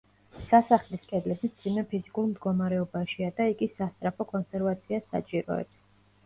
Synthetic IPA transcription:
sasaχliskʼɛd̪lɛbimd̪z̥imɛpʰizikʼulˠmd̪ɡɔmaɾɛɔbaʃiad̪aiɡisast̪sʼɾapʰɔkʼɔnsɛɾvat̪sʰiasa̰t͡ʃʼiɾɔ̰ɛ̰b

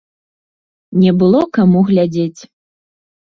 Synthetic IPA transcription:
nʲɛbɨlˠɔkamuɣlʲad͡zʲet͡sʲ

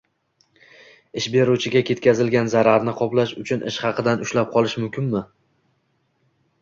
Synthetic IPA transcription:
ɪʃbe̞ɾut͡ʃʰɪɡʲakʲe̞t̪̚kʲazɪlɡʲanzaɾaɾnɪqʰɒplaʃʊt͡ʃʰʊnʔɪ̰ʃχɑqɨd̪anʊʃlap̚qʰɒlˠɪʃmʊmkʲʰɪnmɪ

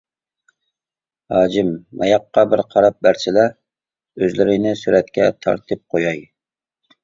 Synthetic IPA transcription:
hɑːd͡ʒɪmːɛjɑqːɑbɪɾqʰɑɾɑp̚bæɾsɪlɛ | øzlɪɾɪnɪsyɾɛt̪kʲʰɛt̪ʰɑ̰ɾt̪ʰɨp̚qʰojɑj

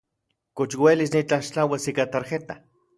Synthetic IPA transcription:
kot͡ʃwelisnit͡ɬaʃt͡ɬawasikat̪aɾxet̪a

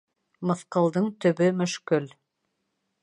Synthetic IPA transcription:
mɤ̆θqɤ̆lˠd̪ɤɴt̪ɵ̆βɵmɵ̆ʃkɵl

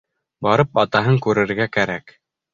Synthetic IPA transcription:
bɑɾɤpɑt̪ɑɦɤŋkʉɾɘ̆ɾɡækæɾæk

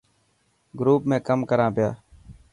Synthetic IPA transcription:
ɡɾuːp̚mẽːkəmkəɾãːpɪjaː

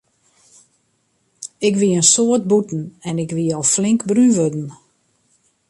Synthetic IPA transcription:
ɪkʋiənsoət̚butn̩ɛnɪkʋiəɔlˠflɪŋkbryʋødn̩

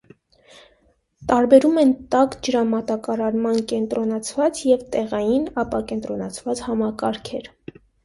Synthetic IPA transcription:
t̪ɑɾbɛɾumɛnt̪ɑkd͡ʒəɾɑmɑt̪ɑkɑɾɑɾmɑnkɛnt̪ɾɔnɑt͡sʰvɑt͡sjɛvt̪ɛʁɑjinɑpɑkɛnt̪ɾɔnɑt͡sʰvɑt͡shɑmɑkɑɾkʰɛɾ

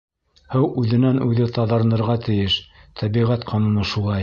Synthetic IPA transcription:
hɤwʔʉðɘ̆nænʔʉðɘt̪ɑðɑ̆ɾnɤ̆ɾʁɑt̪ɘ̆jɘʃt̪ʰæβiʁæt̪qʰɑnunɤʃulˠɑj

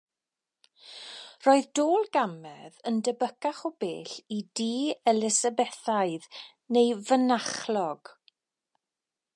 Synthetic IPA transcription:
roːɨðdoːlˠɡamɛðəndəbəkaχɔbḛːɬidiːɛlɪsəbɛθaɨð | nejvənaχlɔɡ̥

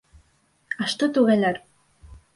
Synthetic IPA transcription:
aʃt̪ot̪uɣalʲaɾ

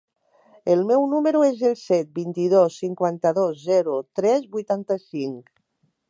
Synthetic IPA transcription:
elˠmɛwnuməɾuezelˠsɛt̪̚bint̪iðosːiŋkwant̪əðozzɛɾut̪ɾɛzβujt̪ant̪əsiŋk

